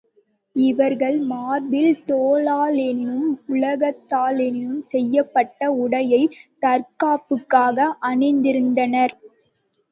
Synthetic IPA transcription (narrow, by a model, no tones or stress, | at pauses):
ɪʋɐɾɣɐɭmaːɾbɪlt̪oːlaːlɛnɪnɯmʊɭɐɣɐt̪ːaːlɛnɪɯmsɛjːɐpːɐʈːɐʊɽɐjɐɪt̪ɐɾkaːpːɯkːaːɣɐʔɐɳɪnd̪ɪɾɯnd̪ɐnɐɾ